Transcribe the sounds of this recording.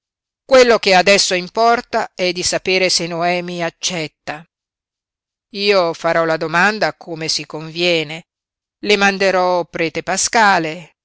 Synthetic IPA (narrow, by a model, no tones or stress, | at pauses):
kwelːok̟ead̪ɛsːoimpɔrt̪aɛd̪ːisapeːɾesenːoɛːmiat͡ʃːɛt̪ːa | iːofaɾɔlad̪omand̪akʰoːmesikoɱvjɛːne | lemand̪eɾɔpɾɛːt̪epaskaːle